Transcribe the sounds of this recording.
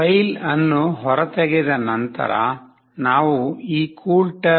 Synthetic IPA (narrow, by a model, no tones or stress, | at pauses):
ɐjlɐnːuɦɔɾɐt̪ɛɡɛd̪ɐnɐnt̪ɐ̰ɾɐ̰ | naːʋuiːkʰuːlʈɐ